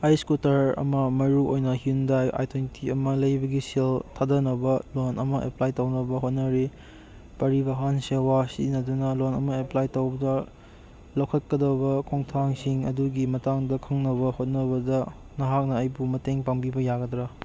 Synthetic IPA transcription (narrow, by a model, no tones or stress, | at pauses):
ajskutɐɾɐ̰mɐmɐɾuʔojnɐhundaja̰jtʰontʰiɐmɐlɐjbɐɡisiltʰadɐnɐbɐlonʔɐmɐʔḛplajtɐwnɐbɐɦot̚nɐɾi | pɐɾibɐɦansewasinɐdunɐlonɐmɐeplajtowbɐdɐ | lɐwkʰɐt̚kɐdɐbɐkʰoŋtʰaŋsiŋɐ̰duɡimɐtaŋdɐkʰɐŋnɐbɐhot̚nɐbɐdɐ | nɐɦak̚nɐːjbumɐteŋpaŋbibɐjaɡɐdɾɐ